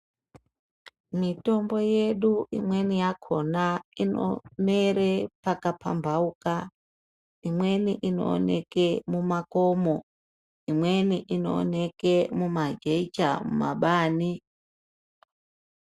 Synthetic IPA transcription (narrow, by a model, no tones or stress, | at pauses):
mito̞mbo̞je̞ɗuḭmwe̞nijakʰonaino̰meɾepakapʰa̰mbʱauka | imwe̞niʔino̰ːnḛkemumakomo | imwe̞niʔino̰ːnekemumad͡ʒeit͡ʃa̰mṵma̰ɓaːni